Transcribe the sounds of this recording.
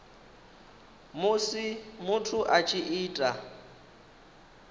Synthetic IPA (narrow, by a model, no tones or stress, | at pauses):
mʊsimʊtʰʊʔat͡ʃʼɪʔiːtʼa